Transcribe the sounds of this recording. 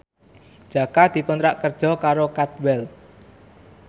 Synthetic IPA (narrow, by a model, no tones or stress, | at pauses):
d̥ʒ̥a̤kad̪̥i̤kɔnt̪ɾaʔkərd̥ʒ̥ɔ̤kaɾokat̪wɛl